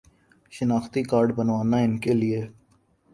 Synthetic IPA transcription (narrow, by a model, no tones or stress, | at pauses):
ʃɪnaːxt̪iːkaːɾɖbənʋaːnãːɪnkeːlɪeː